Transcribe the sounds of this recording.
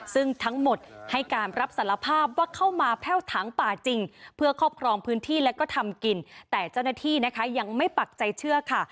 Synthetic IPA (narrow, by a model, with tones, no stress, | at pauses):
sɯ˥˩ŋt̪ʰa˦˥ŋmo˨˩t̪̚ha˥˩jkaː˧nɾa˦˥p̚sa˩˦la˧pʰaː˥˩p̚waː˥˩kʰa˥˩wmaː˧pʰɛː˥˩wt̪ʰaː˩˦ŋpaː˨˩t͡ɕi˧ŋpʰɯ˥˩ɐkʰɔː˥˩p̚kʰɾɔː˧mpʰɯː˦˥nt̪ʰiː˥˩lɛ˦˥wkɔː˥˩t̪ʰa˧mki˧nt̪ɛː˨˩t͡ɕa˥˩wnaː˥˩t̪ʰiː˥˩na˦˥kʰa˦˥ja˧ŋma˥˩jpa˨˩k̚t͡ɕa˧jt͡ɕʰɯ˥˩ɐkʰa˥˩